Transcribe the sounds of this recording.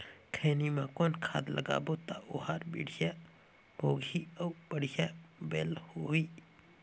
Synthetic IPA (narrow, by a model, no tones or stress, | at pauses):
kʰeːnimãkoːnkʰa̰ːd̪ləɡa̰ːbot̪aʔohaːɾbḭːɽ̤ja | boːɡʱiəwbəɽjabeːlhoɦiː